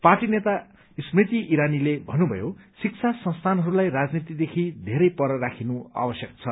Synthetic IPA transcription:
parʈinet̪a | ismrit̪iʔiɾanilebʱʌnːubʱʌ̰josik̚t͡sʰasʌ̃nst̪ʰanɦʌɾulajrad͡znit̪id̪ekʰid̪ʱeɾʌjpʌɾʌrakʰinua̰bʌsjʌk̚t͡sʰʌ

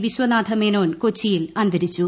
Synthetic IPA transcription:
ʋiɕwɐnaːd̪ʱɐmeno̞ːnkot͡ɕːijilɐnd̪ɐɾit͡ɕːu

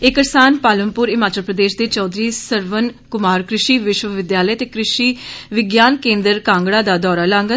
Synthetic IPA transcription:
ɪkəɾsaːnpaːləmpʊːɾɪmaːt͡ʃəlpɾəd̪eːʃd̪eːt͡ʃɔːd̪ɾiːsəɾʋənkʊmaːɾkɾɪʃiːʋɪʃʋəʋɪd̪jaːləjt̪eːkɾɪʃiːʋɪɡjaːnkẽːnd̪əɾkãːŋɡɽaːd̪aːd̪ɔːɾaːlãːŋɡə

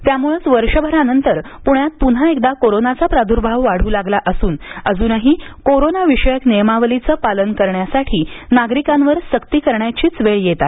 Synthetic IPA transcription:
t̪jamuɭət͡sʋəɾʂəbʱəɾanənt̪əɾ | puɳjat̪̚pun̤aek̚d̪akoɾonat͡sapɾad̪ʱuɾbʱaʋːaɽ̤uːlaɡlaʔəsuːnəd͡zuːnəɦiːkoɾonaʋiʂəjəknejmaʋəlit͡səpalənkəɾɳjasaʈʰiːnaɡɾikãmʋəɾsəkt̪iːkəɾɳjat͡ɕiːt͡sʋeɭjet̪a

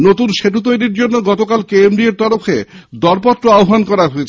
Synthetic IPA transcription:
not̪unʃeʈut̪̬ojɾiɾd͡ʑonːoɡɔt̪okalkeembɾieɾt̪ɔɾofed̪ɔɾpɔt̪ːɾoaoɦankɔɾaɦoet͡ɕʰe

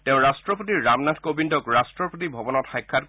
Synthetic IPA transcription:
tɛʊ̃ɹastɹɔpotiɹamnatkobindɔkɹastɹɔpotibʱɔbɔnɔtxajkʰːat

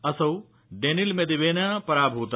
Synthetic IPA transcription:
ɐsɐw | ɖeːnilmẽd̪iʋeːnapɐɾaːbʱɦuːt̪

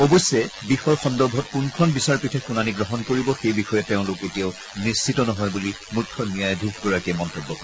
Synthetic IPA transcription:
ɔbɔjsːɛbixɔjxɔndɔɹbʱɔt̚kunkʰɔnbisaɹpitʰɛxunaniɡɹɔɦɔnkoɹibɔxejbixɔjɛteʊ̃loketijaʊ | nist͡ʃitɔnɔɦɔjbuli | mutʰːɔmijajdʱiɡɡɔɹakɛmɔntebːɔkɔɹɛ

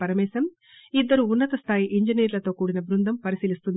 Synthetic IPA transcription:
ɐɾɐmɛːsɐm | id̪ːɐɾuːnːɐt̪ɐst̪ʰaːjiʔiɲd͡ʒiniːɾlɐt̪o̞ːkuːɽinɐbɾund̪ʱɐmpɐɾisiːlist̪und̪

